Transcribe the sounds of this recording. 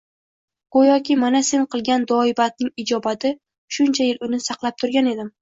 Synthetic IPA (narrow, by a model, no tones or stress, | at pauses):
ojɒkʲʰimanase̞nqʰɨlˠɡʲand̪ɒɪbat̪̚nɪŋɪd͡ʒɒbat̪ʰɪ | ʃʊnt͡ʃʰajɪlʊnɪsɑqlˠap̚t̪ʰʊɾɡʲane̞d̪ɪm